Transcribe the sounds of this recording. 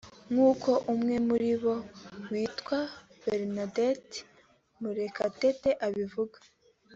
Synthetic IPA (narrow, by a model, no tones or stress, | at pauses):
ŋuːko̞ʔumŋe̞muɾiβo̞wiːtkwa | beɾnadet | muɾe̞kateteʔaβivuɡḁ